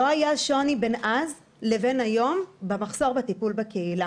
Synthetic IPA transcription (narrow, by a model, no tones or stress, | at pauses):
loajaʃo̞nibenʔaz | leve̞najo̞mbemaχso̞ʁbet̪ipulbekeila